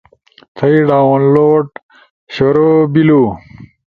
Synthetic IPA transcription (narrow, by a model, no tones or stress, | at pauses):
t̪ʰɐiɖaːwnloːʈ | ɕoɾobiluː